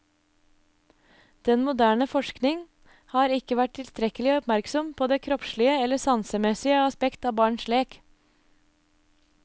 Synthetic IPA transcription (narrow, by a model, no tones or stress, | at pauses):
d̪̥ɛnmʊd̪æːɳəfɔʃknɪŋ | hɑːɾɪkəʋæʈ̚tʰɪlst̪ɾɛkəlɪɔpmæɾksɔmpʰoːd̪eːkʰɾɔpʃɭɪəɛləsɑnsəmɛsɪəɑspɛkt̪ɑːbɑːɳʃɭeːk